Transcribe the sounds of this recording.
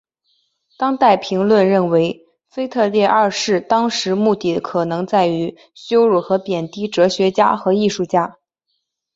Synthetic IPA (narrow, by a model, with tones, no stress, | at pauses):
t̪ɑ˥ŋt̪a˥˩ɪpʰi˧˥ŋlwə˥˧nɻə˥˩nwe˧˥ɪ | fe˥ɪt̪ʰɤ˥˧ljɛ˥˧ʔa˞˥˧ʂɻ̩˥˩t̪ɑ˥ŋʂɻ̩˧˥mu˥˧t̪i˥˩˦kʰɤ˨˩nɤ˧˥ŋt͡sa˥˩ɪy˧˥ | ɕjo˥ʊɻu˥˩xɤ˧˥pjɛ˨˩nt̪i˥˩ʈ͡ʂɤ˧˥ɕɥɛ˧˥t͡ɕja̰˥xɤ˧˥i˥˧ʂu˥˩t͡ɕja˥